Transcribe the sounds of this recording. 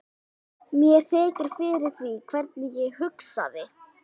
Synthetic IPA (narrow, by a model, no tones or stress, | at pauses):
mjɛɾ̥θɛːcɪɾ̥fɪɾɪɾ̥θvikʰvɛɾt̪nɪjɛɣhʏksa̰ðɪ